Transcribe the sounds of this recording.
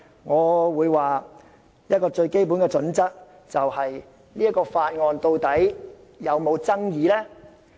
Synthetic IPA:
ŋɔː˨˧wuː˨˧jwaː˨ | jɐ˥t̚kɔː˧t͡ʃɵ˧ɥke˥jp̬uː˨˥nkɛː˧t͡ʃɵ˨˥nt͡sɐ˥k̚ | t͡sɐ˨whɐ˨j | liː˥t̚kɔː˧faː˧t̚ŋɔː˨˧nt̪o˧wt̪ɐ˨˥j | jɐ˨˧wmo˨˧wt͡sɐ˥ŋjiː˨˧lɛː˥

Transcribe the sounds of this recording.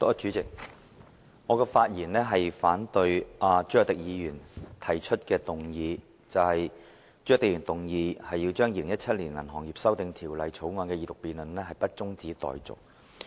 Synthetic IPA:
t̪ɔː˨˥t͡ʃyː˨˥t͡sɪ˨k̚ | ŋɔː˨˧kɛː˧faː˧t̚jiː˨˩nlɛː˥ɦɐ˨jfaː˨˥nt̪ɵ˧ɥʔaː˨t͡ʃy˥jœ˨kt̪ɪ˨k̚jiː˨˧jyː˨˩nt̪ʰɐ˨˩jt͡ʃʰɵ˥t̚kɛː˧t̪ʊ˨ŋjiː˨˧ | t͡sɐ˨whɐ˨j | t͡ʃy˥˨˩t̪ːkjyː˨˩nt̪ʊ˨ŋjiː˨˧hɐ˨jːi˧wt͡ʃœː˥ŋjiː˧lɪ˨ŋjɐ˥t̚t͡sʰɐ˥t̚liː˨˩nlɐ˨˩nɦɔː˨˩ŋjiː˨˩p̚sɐ˥wt̪ɪ˨˧ŋt̪ʰiː˨˩wlɐ˨˧jt͡sʰo˨˥wŋɔː˨˧nkɛː˧jiː˨˧t̪ʊ˨k̚piː˨nlɵ˨nɛː˥hɐ˨jpɐ˥t̚t͡sʊ˥ŋt͡siː˨˥t̪ɔ̰ː˨jt͡sʊ̰˨˩k̚

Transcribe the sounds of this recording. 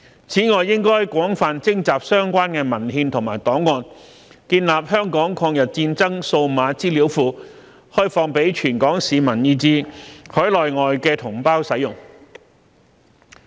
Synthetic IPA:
t͡sʰiː˨˥ŋɔː˨jːɪ˥ŋkɔː˥jkʷɔː˨˥ŋfaː˨nt͡sɪ˥ŋt͡saː˨p̚sœː˥ŋkʷaː˥nkɛː˧mɐ˨˩nɦiː˧nt̪ʰʊ˨˩ŋmaː˨˩jt̪ɔː˨˥ŋːɔː˧n | kiː˧nlaː˨p̚hœː˥ŋkɔː˨˥ŋkʰɔː˧ŋjɐ˨t̚t͡siː˧nt͡sɐ˥ŋso˧wmaː˨˧t͡siː˥li˨˥wfuː˨˧ | hɔː˥jfɔː˧ŋpe˨˥jt͡ʃʰyː˨˩nkɔː˨˥ŋsiː˨˧mɐ˨˩njiː˧t͡siː˧hʰœː˨˥jlɔː˨jŋɔː˨jkɛː˧t̪ʰʊ˨˩ŋpaː˥wsɐ˨˥jʊ˨˩ŋ

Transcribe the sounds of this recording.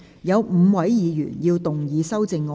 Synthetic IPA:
jɐ˨˧wm̩ː˨˧wɐ˨˥jjiː˨˧jy̰ː˨˩njiː˧wt̪ʊ˨˩ŋjiː˨˧sɐ˥wt͡sɪ˧ŋːɔː˧

